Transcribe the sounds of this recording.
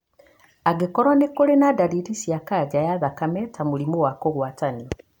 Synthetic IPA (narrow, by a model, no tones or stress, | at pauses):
aɡekɔɾwanekoɾenadaɾiɾisjakad͡ʑajaðakamɛtamoɾimowakoɣwataniɔ